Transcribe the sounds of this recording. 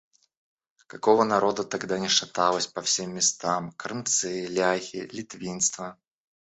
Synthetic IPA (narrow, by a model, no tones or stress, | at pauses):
kɐkovənɐɾo̞d̪ət̪ɐɡd̪anʲɪʂɐt̪alˠəsʲpɐfsʲemʲːɪst̪amkɾɨmt̪sɨlʲaxʲɪ̰lʲɪt̪vʲinst̪və